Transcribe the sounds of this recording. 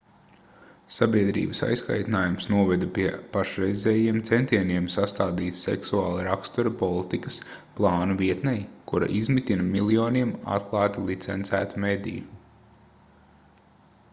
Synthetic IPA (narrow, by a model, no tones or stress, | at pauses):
sabʲiɛd̪ɾḭːbəsa̰jska̰jt̪naːjumsnuɔvɛd̪apʲiɛpaʃɾɛjzʲɛːjiɛmt̪sɛnt̪iɛniɛmsast̪aːd̪iːt̪sɛ̰ksuaːlˠaɾakst̪uɾɐpɔlˠit̪ikɐs | plˠɑːnuviɛt̪nɛjkuɾa̰ʔizmit̪inɐmilˠiɔːniɛma̰t̪klˠɑːt̪ilˠit̪sɛnt̪sæ̰ːt̪umed̪ḭju